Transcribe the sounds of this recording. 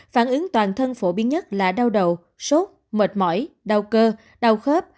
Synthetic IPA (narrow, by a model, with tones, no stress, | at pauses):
faː˧˩nʔɨ˨˦ŋt̪waː˨˩nt̪ʰə˧nfo˧˩ɓi˨˦ənɲə˦˥t̚laː˨˩ɗa˧wɗə˨w | so˦˥t̚ | mə˨˩t̚mɔ̰˧˩jɗa˧wkəː˧ | ɗa˧wxə˦˥p̚